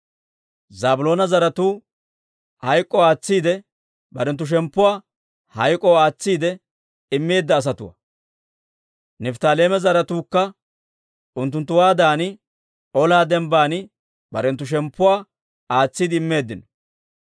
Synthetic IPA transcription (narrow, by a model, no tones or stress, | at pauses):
zaːbʊlo̞ːnɐzɐɾɐt̪uː | hɐjkʼːɔaːt͡sːiːd̪ɛ | bɐɾɛnt̪̬ːʊʃ̬ɛmpːʊwaː | hɐjkʼɔaːt͡sːiːd̪ɛ | ɪmːe̞ːd̪ːɐːs̬ɐt̪ʊwɐ̰ | nɛft̪aːle̞ːmɛzɐɾɐt̪uːkːɐ | ʊnt̪ːʊnt̪̬ːʊwaːd̪aːnɪ | ɔlaːd̪ɛmbaːnɪ | bɐɾɛnt̪ːʊʃ̬ɛmpːʊwaː | aːt͡sːiːd̪ɪɪmːe̞ːd̪ːɪnɔ̥